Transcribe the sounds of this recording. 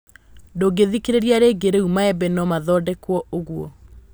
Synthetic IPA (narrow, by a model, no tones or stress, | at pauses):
doɡeðikeɾeɾiaɾeɡeɾeumaɛbɛnɔmaðɔdɛkwɔoɣuɔ